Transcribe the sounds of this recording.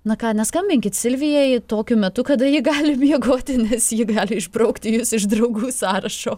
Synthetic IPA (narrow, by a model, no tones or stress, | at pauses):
nɐkɑːnʲɛskɐmʲbʲɪŋʲkʲɪt̪sʲɪlʲʋʲɪjɛjt̪oːkʲʊmʲɛt̪ʊkɐd̪ɐjiːɡɑːlʲɪmʲiɛɡoːt̪ʲɪnʲɛsjiːɡɑːlʲɪɪʒbɾɐʊkt̪ʲɪjʊsɪʒd̪ɾɐʊɡuːsɑːɾɐʃoː